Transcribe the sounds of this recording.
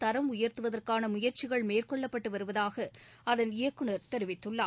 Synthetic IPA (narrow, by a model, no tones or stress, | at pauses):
t̪ɐɾɐmʊjɐɾt̪ɯʋɐðɐrkaːnɐmʊjɐɾt͡ʃɪɣɐɭmeːrkɔɭːɐpːɐʈːɯʋɐɾɯʋɐðaːɣɐɐðɐnɪjɐkːɯɳɐɾt̪ɛɾɪʋɪt̪ːɯɭːaː